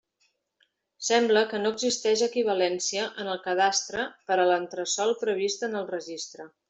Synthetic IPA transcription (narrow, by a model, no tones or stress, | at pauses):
sɛmbləkənoəɡzist̪ɛʃəkiβ̞əlɛnsiəʔənəlˠkəð̞ast̪ɾəpəɾələnt̪ɾəsɔlˠpɾəβ̞ist̪ənəlˠrəʒist̪ɾə